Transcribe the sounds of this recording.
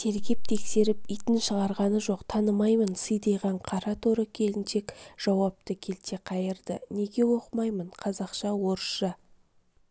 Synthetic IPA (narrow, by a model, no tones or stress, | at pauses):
t̪ʰe̞ɾkʲep̚t̪ʰe̞kse̞ɾɪp̚ijt̪ɪnʃəʁɑɾʁɑnəʒo̞qt̪ʰɑnəmɑjmənsəjd̪ɑjʁɑɴqʰɑɾɑt̪ʰoɾəkʲʰe̞lɪnʃe̞kʒ̥ɑwɑp̚t̪əkʲʰe̞lt̪e̞qʰɑjəɾd̪əne̞ɡʲe̞wo̞qəmɑjmənqʰɑzɑqʃɑwo̞ɾəʃʃə